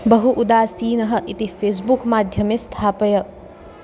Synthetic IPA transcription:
bɐɦuʔud̪aːsiːnɐɦɐʔit̪ipʰeːs̬bukmaːd̪ʱjɐmest̪ʰaːpɐjɐ

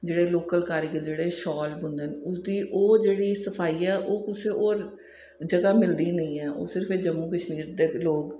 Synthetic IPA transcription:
d͡ʒeːɽeːloːkəlkaːɾɪɡəld͡ʒeːɽeːʃɔːlbʊnd̪ənʊsd̪iːʔoːd͡ʒeːɽiːsəpʰaːiːɛːʔoːkʊsẽːʔoːɾ | d͡ʒəɡaːmɪld̪iːnəĩːɛːʔo̰ːsɪɾpʰeːd͡ʒəmːuːkəʃmiːɾd̪eːloːɡ

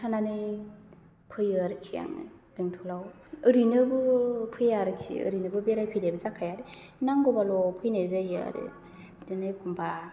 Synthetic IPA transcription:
sʰananɯj | pʰɯjɯɾɯkʰija̰ŋɯ̰biŋtʰulaw | ɯɾinɯbɯpʰɯjaɾɯkʰḭɯ̰ɾinɯbɯbeɾajpʰidebzakʰajaɾi | naŋɡɔbalɔpʰɯjnezɯjɯ̰ɾɯ̰ | dɯnɯjkʰumbʰa

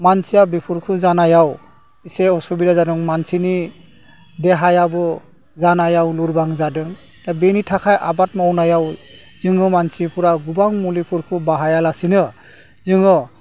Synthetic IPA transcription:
mansijabipʰuɾkʰɯzanajaw | iseɔsubiɾazadɯŋmansini | deɦajabɯ | zanajawluɾbaŋzadɯŋ | abenitʰakʰajʔa̰bat̚mawnajaw | zɯŋɯmansipuɾaɡubaŋmulipʰuɾkʰɯbaɦajalasinɯ | zɯŋɯ

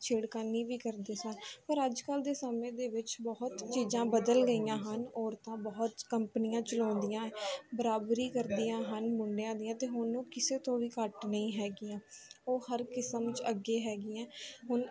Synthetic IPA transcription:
t͡ʃʰeːɽkaniːʋiːkəɾd̪eːsənpəɾəd͡ʒkəld̪eːsəmẽːd̪eːʋɪt͡ʃbɔɦʊt̪t͡ʃiːzãːbəd̪əlɡəiːjãːɦənɔːɾt̪ãːbɔːʊt̪kəmpənijãːt͡ʃəlɔ̃ːnd̪ijãːɛːbəɾaːbɾiːkəɾd̪iːãːɦənmʊɳɖjãːd̪ijãːt̪eːɦʊnõːkɪseːt̪õːʋiːkəʈnəĩːɦɛːɡiːãːoːhəɾkɪsəmt͡ʃəɡːeːɦɛːɡiːɛ̃ːɦʊn

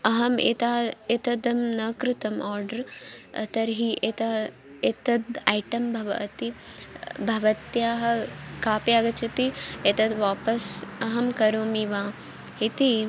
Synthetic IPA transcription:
ɐɦɐmḛt̪aːet̪ɐd̪ɐmnɐkɾɪt̪ɐmʔaːɾɖɐɾɐ̰t̪ɐɾɦiʔet̪a | et̪ɐd̪ajʈɐmbʱɐʋɐ̰ɐt̪i | bʱɐʋɐt̪jaːɦɐ̆kaːpjaːɡɐt͡ʃʰɐt̪iet̪ɐd̪ʋaːpɐsɐɦɐmkɐɾoːmiʋaː | ɦit̪i

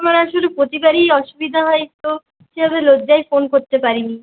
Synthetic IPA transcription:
amaɾaʃolepɾot̪ibaɾiɔʃubid̪ʱaɦɔet̪o | ʃebʱabelodd͡ʑajfonkoɾt̪epaɾini

